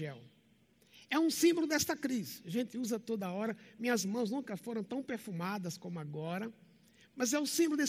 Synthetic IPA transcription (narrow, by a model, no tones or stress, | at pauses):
ɛw | ɛũsĩbolʊd̪ɛst̪ɐkɾisʒẽnt̪ɪuzɐt̪od̪ɐɔɾɐmĩɲɐzmɐ̃w̃znũkɐfoɾɐ̃w̃t̪ɐ̃w̃peɾfumad̪ɐskõmʊaɡɔɾɐ | mɐzɛʊsĩbolʊd̪e